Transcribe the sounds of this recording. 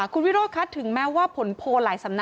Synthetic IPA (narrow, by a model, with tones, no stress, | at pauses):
kʰu˧nwi˦˥ɾoː˥˩kʰa˦˥t̪ʰːɯ˨˩˦ŋmɛː˦˥waː˥˩pʰo˨˩˦npʰoː˧laː˩˦jsa˩˦mna˦